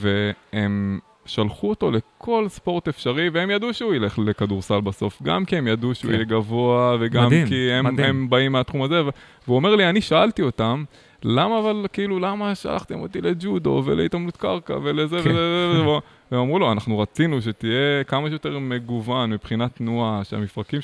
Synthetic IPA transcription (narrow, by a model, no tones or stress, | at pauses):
ve̞em | ʃalχuoto̞le̞kʰo̞lspo̞ʁt̪e̞fʃaʁiveemjad̪uʃeuele̞χle̞kaduʁsalbaso̞fɡa̰mkie̞mjad̪uʃeṵḭjeɡavo̞aveɡamkiemembaimːeat̪χumaze̞veveuome̞ʁlianiʃaaltio̞t̪am | lamaːvalkiilulamaʃa̰lʔa̰χt̪emot̪ile̞d͡ʒud̪o̞̰vḛleit̪amlut̪kaʁka̰ve̞lezevezevzev | emamʁuloanaχnuʁat͡sinuʃ̬e̞t̪ije̞kamaʃjot̪e̞ʁme̞ɡuvanmipχinatnuaʃea̰mifʁakim